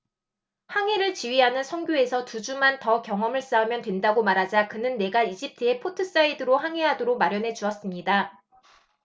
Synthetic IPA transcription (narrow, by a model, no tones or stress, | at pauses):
haŋeɾɯɭt͡ɕiɥiɦanɯnsʰʌŋɡʲjoe̞sʰʌtud͡ʑumantʌkjʌŋɦʌmɯɭs͈aumjʌntwe̞ndaɡomaɾɦad͡ʑakɯnɯnːe̞ɡaid͡ʑip̚tʰɯe̞pʰotʰɯs͈aidɯɾohaŋɦe̞ɦadoɾok̚maɾjʌnɦe̞d͡ʑuʌs͈ɯmɲida